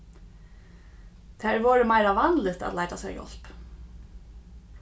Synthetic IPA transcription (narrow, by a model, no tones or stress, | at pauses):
t̪ʰæɹʋɔːɹəmæɪɾaʋɑnlɪt̪a̰t̪læɪt̪asɛ̰jɔ̰l̥p